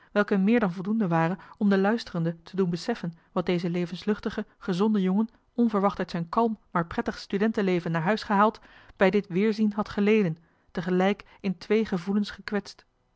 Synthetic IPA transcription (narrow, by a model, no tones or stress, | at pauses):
ʋɛlˠkəmɪːɹdɑnvɔlˠdundəʋaːrənɔmdəlœɥstərəndətʰədunbəsɛfən | ʋɑt̚dejzəlejvənslɵχtəχəχəzɔndəjɔŋən | ɔnvəɹʋɑχtœɥtsɛjnkɑlˠmːaːɹprɛtəχstydɛntəlejvənːaːɹɦœɥsχəɦaːlˠtb̥ɛjdɪtʋɪːɹzinɦɑtχəlejdən | təχəlɛjk | ɪntʋejχəvulənsχəkʋɛtst